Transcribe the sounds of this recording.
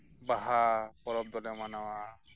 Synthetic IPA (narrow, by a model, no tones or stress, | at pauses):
baɦapɔɾɔb̚d̪ɔlɛmanawa